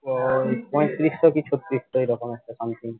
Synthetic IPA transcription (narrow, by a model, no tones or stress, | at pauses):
pɔjt̪ːɾisʈokit͡ɕʰut̪ːɾisʈoejɾɔkomɛk̚ʈasant̪in